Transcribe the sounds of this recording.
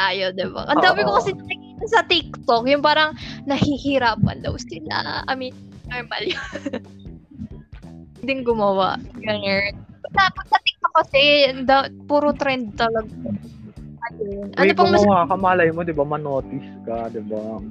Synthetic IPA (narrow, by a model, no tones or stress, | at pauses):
aːjod̪ɪba̰ʔɐnd̪aːwɪkokɐsɛnɐkɪkiːt̪ɐnsɐt̪ɪk̚t̪okjʊŋpaːɾɐŋnɐhihɪɾaːpɐ̰nd̪ɐ̰wsɪla̰ʔɐ̰minnoɹmɐ̰ljo | d̪ɪŋɡʊmɐwa̰ʔɡɐŋɛpɐɐpɐɡ̚sɐt̪ɪk̚t̪ok̚kːɐsɛd̪apuːɾot̪ɾɛnd̪̚t̪ɐlɐɡɐɐjonʔɐnop̬ɐŋmɐwakɐmalɐjmod̪ɪbamɐnoːt̪ɪskɐd̪ɪba